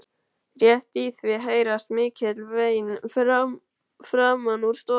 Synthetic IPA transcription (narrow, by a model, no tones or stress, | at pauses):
rjɛht̪iθvɪɦeːjɾast̪mɪːcʰɪt̪lvejn | fɾaːmanuɾ̥st̪ɔ